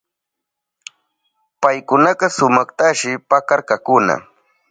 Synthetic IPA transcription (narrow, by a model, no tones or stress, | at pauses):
pajkʊnɑɢɑsʊmɑχt̪aʃɪpakaɾkakʊna̰